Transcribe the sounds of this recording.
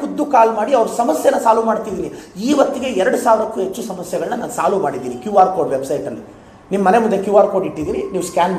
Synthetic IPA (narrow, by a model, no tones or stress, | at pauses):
ud̪ːukaːlmaːɽiɐʋɐɾusɐmɐsjɛnːɐsaːlumaːɽt̪id̪iːniiːʋɐt̪ːiɡe̞ɛɾɐɽusaːʋɾɐkːuɦet͡ʃːusɐmɐsjɛɡɐɭnːɐnaːnsaːlumaːɽid̪iːnikjuːaːɾkoːɖʋebsɐjʈɐlːi | nimːɐnemund̪lekjuːaːɾko̞ːɖiʈːid̪iːɾiniːʋuskaːn